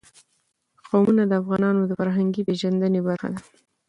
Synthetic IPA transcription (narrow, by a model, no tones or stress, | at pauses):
qɑmunad̪əafɣɑnɑnod̪əfaɾɦaŋɡipeʒand̪ənebaɾxa̰d̪a